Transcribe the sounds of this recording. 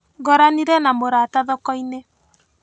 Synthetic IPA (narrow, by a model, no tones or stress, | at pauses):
ɡɔɾaniɾɛnamoɾataðɔkɔine